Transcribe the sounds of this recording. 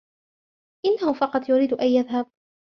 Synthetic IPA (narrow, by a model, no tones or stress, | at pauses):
ʔɪnːahʊfɑqɑt̪ˤjʊɾiːd̪ʔajjaðɦab̚